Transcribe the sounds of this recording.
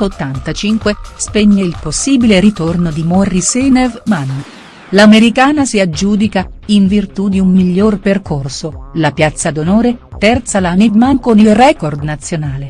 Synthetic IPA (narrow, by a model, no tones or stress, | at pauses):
ot̪ːant̪at͡ʃiŋkwespeɲːeilposːiːbileɾit̪ornod̪imɔrːisɛnevmanː | lameɾikaːnasiad͡ʒːuːd̪ikaiɱvirt̪ud̪iumːiʎːorperkorsolapjat̪sːad̪onoːɾet̪ɛrt̪salanimaŋkonilrɛːkord̪nat̪sːjonaːle